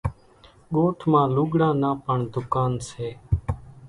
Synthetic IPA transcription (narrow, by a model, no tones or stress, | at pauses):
ɠoːʈʰmãːluːɠɽãːnaːpəɳd̪ʊkaːnseː